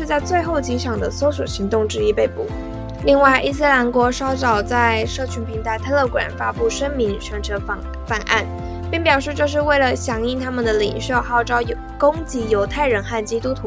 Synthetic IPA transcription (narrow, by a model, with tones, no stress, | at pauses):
ʂɻ̩˥˧t͡sa˥˧ɪt͡swe˥˧ɪxo˥˩ʊt͡ɕi˧˥ʂɑ˨˩ŋd̪ə˦so˥ʊswɔ̰˨˩ɕi˧˥ŋt̪ʊ˥˧ŋʈ͡ʂɻ̩˥˧i˥pe˥˧ɪpṵ˨˩˦ | li˥˧ŋwa˥˩ɪʔi˥˩s̬ɹ̩˥˩la˧˥nkwɔ˧˥ʂɑ˥ʊʈ͡ʂɑ˨˩ʊt͡sa˥˧ɪʂɤ˥˩t͡ɕʰy˧˥npʰi˧˥ŋt̪ʰa˧˥ɪt̪ʰa˥˧˥lɤ˥˩kwa̰˨˩nfa˥pu˥˩ʂə˥nmi˧˥ŋt͡ɕʰɥɛ˧˥nʈ͡ʂʰɤ˧˥˩ | fa˨˩nʔa̰˥˩n | pi˥˩ŋpjɑ˨˩ʊʂɻ̩˥˧ʈ͡ʂɤ˥˧ʂ̬ɻ̩˥˧we˥˩ɪlə˩ɕjɑ˧˥ŋi˥˩t̪ʰa˥mə˨nd̪ə˩li˨˩ŋʂjo˥˧ʊxɑ˥˩ʊʈ͡ʂɑ˥ʊ | ko˥ŋt͡ɕi˧˥jo˧˥ʊt̪ʰa˥˩ɪɻə˧˥nxa˥˩nt͡ɕi˥t̪u˥t̪ʰu˧